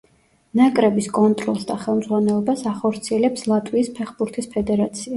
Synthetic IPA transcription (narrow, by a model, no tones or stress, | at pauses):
nakʼɾɛbiskʼɔnt̪ʼɾɔlˠsd̪aχɛlˠmd̪zʁwanɛlˠɔbasaχɔɾt̪sʰiɛlɛpslˠat̪ʼwiːspʰɛχbuɾt̪ʰispʰɛd̪ɛɾat̪sʰia